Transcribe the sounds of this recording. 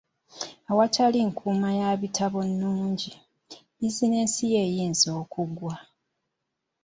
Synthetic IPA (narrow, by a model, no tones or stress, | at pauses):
awacaliŋkʰuːmajaβitʰaβo̞nːuːɲɟi | izine̞ːnsije̞jiːnzo̞ːkuɡwa